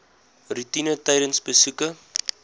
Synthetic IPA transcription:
rutinətɐjɾənsbəsukə

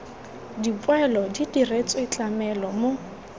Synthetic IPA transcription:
dipʼwɛlɔdidiret͡sʼɔit͡ɬʼamɛlɔmo

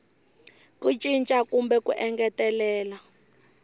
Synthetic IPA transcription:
kut͡ʃʼint͡ʃʼakʼumbɛkṵʔɛŋɡɛtɛlɛːla

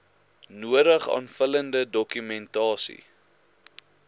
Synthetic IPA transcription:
nuəɾəχɑ̰ːnfələndədɔkymɛntɑːsḭ

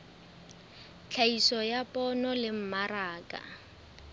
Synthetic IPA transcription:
t͡ɬʰaisɔjapʼɔnɔlɪm̩maraːkʼa̰

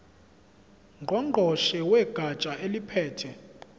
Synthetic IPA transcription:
ŋɡʱɔŋ͡ǃʱɔʃɛwɛɡ̥ʱat͡ʃʼaelipʰɛːtʰɛ

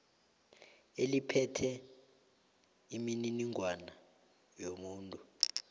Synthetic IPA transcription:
elipʰɛtʰɛ | imininiŋʱwana | jomuːntʼu

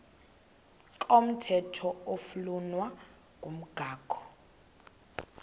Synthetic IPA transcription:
kʼom̩tʰɛtʰɔofulunwa | kʼum̩ɡ̥ʱaːɡ̥ʰʱɔ̥

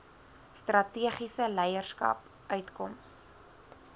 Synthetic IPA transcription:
strɐtiəχisəlɛjərskɐ̰p | œɥtkɔms

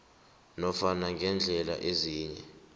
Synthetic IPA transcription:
nɔfanaŋɡʱɛnd͡ɮʱɛla̰ʔeziːɲɛ

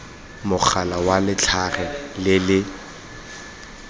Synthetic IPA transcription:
mʊk͡xʰalawalɪt͡ɬʰaχɛlɪlɪ

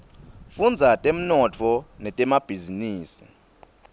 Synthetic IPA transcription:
fund͡zʱatʼem̩nɔt͡fʰɔnɛtʼɛmab̥ʱiziniːsi̥

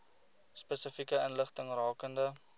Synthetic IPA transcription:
spəsəfikəənləχtəŋrɑːkəndə

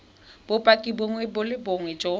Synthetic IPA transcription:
b̥ʊpʼakʼiboŋwɛbʊlɪboŋwɛd͡ʒo

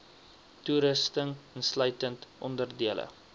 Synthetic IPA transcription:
tuɾəstəŋənslœɥtəntʔɔndərdiələ̰

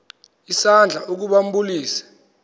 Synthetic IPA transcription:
isand͡ɮʱaʔuk̬uɓam̩buliːsḁ

